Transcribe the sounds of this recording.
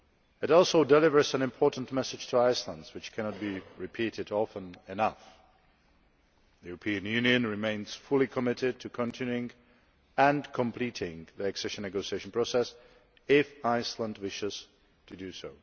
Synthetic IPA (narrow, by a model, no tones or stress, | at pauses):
ɨɾɔlˠsoʊdɛlɪvə˞zə̃nɨ̃mpʰɔɹʔn̩tmɛsɨd̥d͡ʒ̥tʰəaɪslə̃ndzwɨt͡ʃkʰæñət̚b̥iɹɪpʰiɾɪɾɔfə̃nɪnʌf | ðəʉɹəpʰĩɨ̃njʉ̃njɨ̃nɹɨmẽɪ̃nz̥fʊlˠikʰəmɪɾɪd̚tʰɨkʰə̃ntʰɪ̃njʉɪ̃ŋ | ə̃nkʰə̃mpʰl̥iɾɪ̃ŋðiɛksɛʃə̃nːɛɡoʊsieɪʃn̩pʰɹ̥oʊsɛs | ɪfaɪslə̃ndwɪʃɪz̥ | tʰɨdɨsoʊ